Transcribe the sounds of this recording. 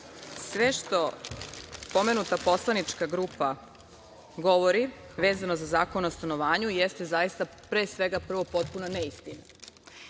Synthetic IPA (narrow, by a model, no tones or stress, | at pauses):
sʋeʃt̪o̞ | po̞me̞nut̪apo̞slˠanit͡ʃkaɡɾupa | ɡo̞ʋo̞ɾi | ʋe̞ːzanozazaːko̞noost̪ano̞ʋaːɲujest̪e̞zajist̪a | pɾeːsʋe̞ɡapr̩ʋo̞po̞t̪̚punaneist̪ina